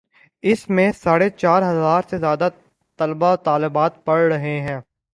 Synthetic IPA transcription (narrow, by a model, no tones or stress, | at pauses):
ɪsmẽsaːɽet͡ʃaːɾɦɐzaːɾsezjaːd̪a | t̪ɐlbaot̪aːlɪbaːt̪̚pɐɽɾɐɦeɦɛ̃ː